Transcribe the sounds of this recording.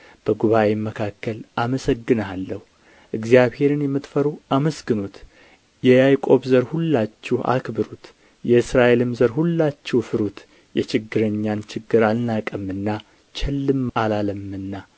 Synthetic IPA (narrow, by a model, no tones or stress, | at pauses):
b̥əɡuβaʔemːəkʰakːəlʔaməsəɡːɨnalːəhu | ʔɨɡzijaβhe̞ɾɨnjɛmːɨt̪fəɾuʔaməsɡɨnot̪ | jɛjajkʼo̞βzəɾhulːat͡ʃːɛhʔa̰kbɨɾut̪ | jɛɨsɾaʔe̞lɨmzəɾhulːat͡ʃːɛwfɨɾut̪ | jɛt͡ʃɪɡːɨɾəɲːant͡ʃʰɪɡːɨɾalnakʼəmːɨnːa | t͡ʃʰɛlːɨmalaləmːɨnːa